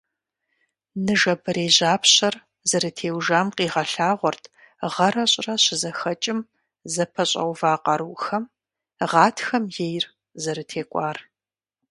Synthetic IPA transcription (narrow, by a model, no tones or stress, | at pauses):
nɨʒɐbɨɾeːʑaːpʰɕɐr | zɐɾɨtʰeːwʒaːmqiːʁɐɬaːʁʷɔrtʰ | ʁɐɾɐɕʼrɐɕɪzɐxɐt͡ʃʼɪm | zɐpʰɐɕʼɐ̰wvaːqɐɾuːxɐm | ʁɑːtʰxɐmjejr | zɐɾɨtʰeːkʷʼɑːr